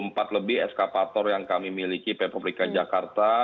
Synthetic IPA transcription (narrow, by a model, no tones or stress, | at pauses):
əmpat̪ləbɪɦɛskapat̪ɔrjaŋkamimilikipɛpablikad͡ʒakart̪a